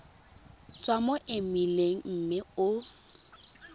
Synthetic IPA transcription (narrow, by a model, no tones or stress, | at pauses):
t͡sʼwamɔʔɪmileŋ̩m̩mɪʊ